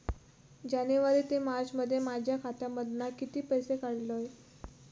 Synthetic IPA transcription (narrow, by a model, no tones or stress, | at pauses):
d͡ʑaneʋəɾiːt̪emaɾd͡zməd̪ʱːjemad͡ʑʱjakʰat̪jaməd̪ʱnakit̪iːpəjsekaɽloj